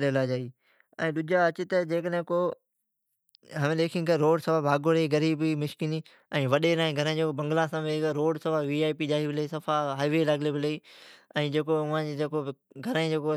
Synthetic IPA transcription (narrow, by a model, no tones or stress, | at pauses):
lelaːd͡ʒaːi | ɛ̰̃ːɗʊd͡ʒʱaɐt͡ɕɪt̪ɐd͡ʑeːkəɗɦɪ̃ko | ɦɐʋẽleːkʰĩnkɐɾoːɖsɐʋabʱaːɡoɽeɡɐɾiːbimɪʃkɪni | ɛ̃ːʋɐɗeɾãːĩɡʱɐɾə̃d͡ʑeːkobɐ̃ŋɡlãsãːʋekɾoːɖsɐʋaʋiːaːipiʄaːɦibʱɪleisɐfʰaɦaːiʋelaɡlebʱɪleiɛ̃ːd͡ʑeːkoʊʋãd͡ʑed͡ʑeːkoɡʱɐɾə̃ĩd͡ʑeːko